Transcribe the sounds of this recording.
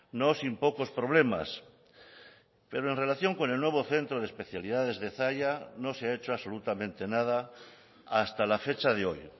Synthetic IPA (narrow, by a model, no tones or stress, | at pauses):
no̞simpo̞ko̞spɾo̞β̞le̞ma̰s | pe̞ɾoẽ̞nre̞laθjo̞ŋko̞nelnwe̞βo̞θe̞nt̪ɾoðespe̞θjalið̞aðe̞zðeθaʝano̞seae̞t͡ʃoaβso̞lut̪amẽnt̪e̞nað̞a | ast̪alafe̞t͡ʃaðeo̞j